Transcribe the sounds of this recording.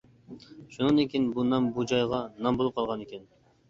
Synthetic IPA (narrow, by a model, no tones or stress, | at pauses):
ʃunɨnd̪ekʲinbunɑmbud͡ʒɑjʁɑnɑmbolˠup̚qʰɑlˠʁɑnekʲɛn